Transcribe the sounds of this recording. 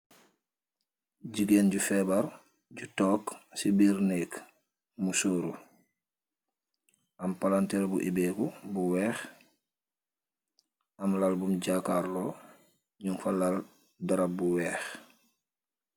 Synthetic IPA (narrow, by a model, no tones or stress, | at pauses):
ɟiɡenɟufɛbaɾ | ɟutɔːksibiɾnik | musoːɾu | ʔampalanteɾbuʔibeːkubuwɛːx | ʔamlalbumɟakaɾlo | ɲuŋfalal | daɾabuwɛːx